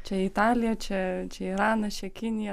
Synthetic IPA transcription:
t͡ʃʲɛit̪ɑːlʲɪjɛt͡ʃʲɛt͡ʃʲɛiːɾɑːnɐt͡ʃʲɛkʲɪnʲɪjɛ

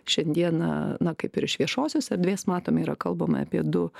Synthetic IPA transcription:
ʃʲɛnʲd̪ʲiɛnɐ̰nɐkɐɪpɪɾɪʃʋʲiɛʃoːsʲoːsɐɾd̪ʲʋʲeːsmɑːt̪oːmiːɾɐkɐlˠbɐmɐ̰ɐ̰pʲiɛd̪ʊ

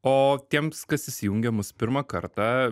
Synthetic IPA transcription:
oːt̪ʲiɛmskɐsɪsʲɪjuŋʲɡʲɛmʊspʲɪɾmɐkɐɾt̪ɑ

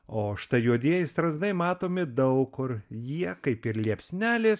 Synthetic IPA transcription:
oːʃʲt̪ɐjuɔd̪ʲiɛjɪst̪ɾɐzd̪ɐɪmɑːt̪oːmʲɪd̪ɐʊkːʊɾjiɛkɐɪpɪɾlʲiɛpʲsʲnʲæːlʲeːs

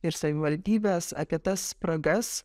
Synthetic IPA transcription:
ɪɾsɐʋʲɪʋɐlʲd̪ʲiːbʲeːsɐ̰kʲɪt̪ɐspɾɐɡɐs

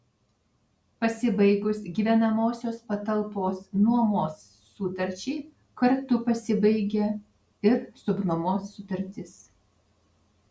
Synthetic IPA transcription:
pɐsʲɪbɐɪɡʊsɡʲiːʋʲɛnɐmoːsʲoːspɐt̪ɐlˠpoːsnuɔmoːsː | uːt̪ɐɾʲt͡ʃʲɛɪ | kɐɾt̪ʊpɐsʲɪbɐɪɡʲɛ | ɪɾsʊɡnɔmoːsːʊt̪ɐɾʲt̪ʲɪs

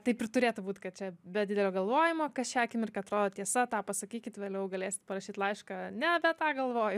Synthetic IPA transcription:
t̪ɐɪpɪɾt̪ʊɾʲeːt̪ʊbuːt̪ʲkɐt̪̚t͡ʃʲɛbʲɛdʲidʲɛlʲoːɡɐlˠʋoːjɪmoːkɐʃʲæːkʲɪmɪrkɐɐt̪ɾoːd̪oːt̪ʲiɛsɐt̪ɑːpɐsɐkʲiːkʲɪt̪ʋʲeːlʲɛʊɡɐlʲeːsʲɪ̥t̪pɐɾɐʃʲiːt̪lˠɐɪʃkɐnʲɛbʲɛt̪ɑːɡɐlˠʋoːjʊ

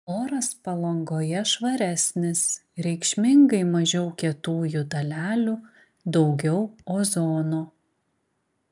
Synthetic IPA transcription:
oːɾɐspɐlˠɐŋɡoːjɛʃʋɐɾʲæːsʲnʲɪsɾʲɛɪkʃʲmʲɪŋɡɐɪmɐʒʲɛʊkʲɛt̪uːjʊd̪ɐlʲæːlʲʊ | d̪ɒʊɡʲɛʊoːzoːnoː

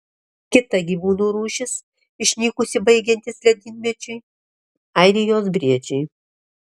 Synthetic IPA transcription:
kʲɪt̪ɐɡʲiːʋuːnuːɾuːʃʲɪs | ɪʃʲnʲiːkʊsʲɪbɐɪɡʲɛnʲt̪ʲɪslʲɛd̪ʲɪnʲmʲɛt͡ʃʲʊɪ | ɐɪɾʲɪjoːsbʲɾʲiɛd͡ʒʲɛɪ

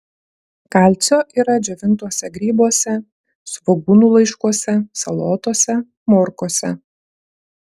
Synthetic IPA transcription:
kɑˑlʲt̪sʲoːʔiːɾɐd͡ʒʲɛʋʲɪnt̪uɔsʲɛɡɾʲiːbuɔsʲɛ | sʋɔɡunuːlˠɐɪʃkuɔsʲɛsɐlˠoːt̪oɔsʲɛ | mɔɾkoɔsʲɛ̰

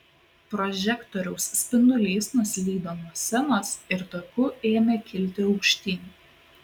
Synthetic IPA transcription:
pɾɔʒʲɛkt̪ɔɾʲɛʊsːʲpʲɪnʊlʲeːsnʊsʲlʲiːd̪oːnuɔsʲɛnoːsɪɾt̪oːkʲʊeːmʲeːkʲɪlʲt̪ʲɪɒʊkʃʲt̪ʲiːnʲː

